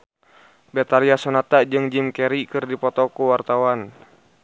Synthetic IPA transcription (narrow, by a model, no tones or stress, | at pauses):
bɛt̪aliasɔnat̪ad͡ʒɨŋd͡ʒimkɛɾikɨrdipɔt̪ɔkuwart̪awan